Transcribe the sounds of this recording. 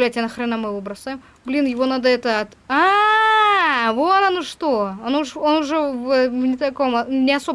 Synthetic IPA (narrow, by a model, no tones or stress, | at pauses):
lʲætʲanɐxɾɐɪnamɨvɨbɾɐsajɪm | blʲinjɪvo̞nad̪əɛt̪əɐt̪a | vot̪ɐnoʂt̪oonʊʐonʊʐɛvəvnʲɪt̪ɐkomnʲɪɐso̞b